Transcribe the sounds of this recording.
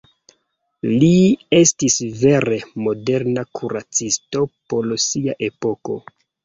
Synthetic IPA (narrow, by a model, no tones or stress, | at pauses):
lie̞stisve̞ɾe̞mo̞de̞ɾnakʰuɾat͡sisto̞po̞lsiaʔe̞po̞ko̞̰